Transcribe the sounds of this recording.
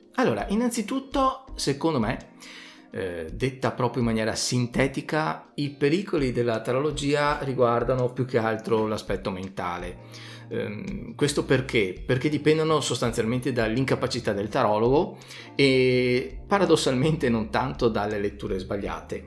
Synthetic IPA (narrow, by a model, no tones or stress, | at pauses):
alːoːɾa̰ʔinːant̪sit̪ut̪ːosekond̪ome | d̪et̪ːapɾɔːpɾjoimːanjɛːɾa̰sint̪ɛːt̪ikaipeɾiːkolid̪elːat̪aɾolod͡ʒiːariɡward̪anopjukːealt̪ɾolaspɛt̪ːoment̪a̰ːle | kwest̪operkʰeperk̟ed̪ipɛnd̪onosost̪ansjalment̪ed̪alːiŋkapat͡ʃit̪ad̪elt̪aɾɔːloɡo | e | paɾad̪osːalment̪enont̪ant̪od̪alːelet̪ːuːɾezbaʎːa̰ːt̪e